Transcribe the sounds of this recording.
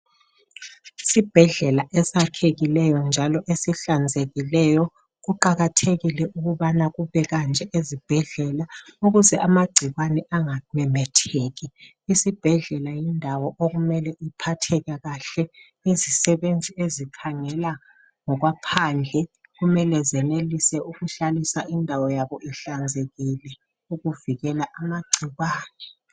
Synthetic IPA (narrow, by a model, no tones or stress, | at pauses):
sib̥ʱɛɮɛlaʔɛsakʰeɣilɛjɔnd͡ʒʱalɔʔesiɬand͡zʱeɣilɛjɔ | ɣuǃaɣatʰeɣilɛʔuɣuβanaɣuβɛɣand͡ʒʱɛʔezib̥ʱɛɮɛlauɣuzɛʔamaɡ͡ǀ̥ʱiɣwanɛʔaŋamɛmɛtʰeːɣi | isib̥ʱɛɮɛlajindʱawɔʔoɣumɛlɛʔipʰatʰɛɣaɣaɬɛ | izisɛβend͡zʱiezikʰaŋɛla | ŋɔɣwapʰand͡ɮʱɛɣumɛlɛzɛnelisɛuɣuɬalisaʔindʱawɔjaβɔʔiɬand͡zʱeɣilɛ | uɣuviɣɛlaʔamaɡ͡ǀʱiɣwaːnɛ